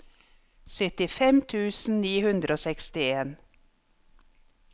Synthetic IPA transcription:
sœt̪ɪfɛmt̪ʰʉːsn̩niːhʉnd̪ɾʔoːsɛkst̪ɪeːn

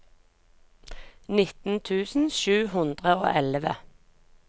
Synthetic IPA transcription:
nɪt̪n̩t̪ʰʉːsn̩ʃʉːhʉnd̪ʁəo̰ːʔɛlʋə

